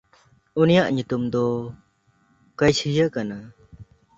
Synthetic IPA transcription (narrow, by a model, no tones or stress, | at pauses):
unijaʔɲut̪umd̪ɔ | kəjsʰjakana